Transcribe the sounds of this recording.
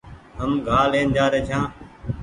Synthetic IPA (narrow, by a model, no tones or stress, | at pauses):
ɦəmɡʱaːlẽːnd͡ʒaːɾeːt͡ʃʰãː